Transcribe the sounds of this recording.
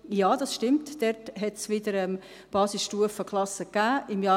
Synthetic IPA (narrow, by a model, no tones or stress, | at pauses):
jɑːdɑsʃtɪmtdɛɾtɦɛtsʋɪdəɾɛm | b̥ɑːsɪsʃtuəfəkʰlɑsəkːæːɪmjɑː